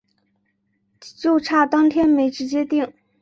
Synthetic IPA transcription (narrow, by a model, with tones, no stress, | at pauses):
t͡ɕjo˥˧ʊʈ͡ʂʰa˥˩t̪ɑ˥ŋt̪ʰjɛ˥nme˧˥ɪʈ͡ʂɻ̩˧˥t͡ɕjɛ˥t̪i˥˩ŋ